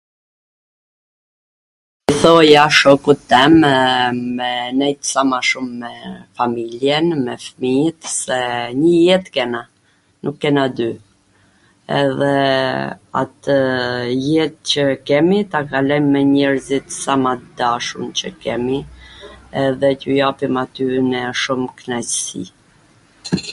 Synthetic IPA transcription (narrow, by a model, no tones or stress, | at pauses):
iθɔjaʃɔkut̪ːɛm | mɛnɛjt̪samaʃumːɛfamiljɛnmɛfəmit̪sɛɲəjɛt̪kɛna | nukːɛnad̪y | ɛ̰ðɛ | a̰t̪əjɛt̪̚cəkɛmit̪akalɔjmːɛɲɛɾzit̪samad̪aʃumt͡ɕəkɛmi | ɛðɛcujapimat̪ynɛʃumknasḭ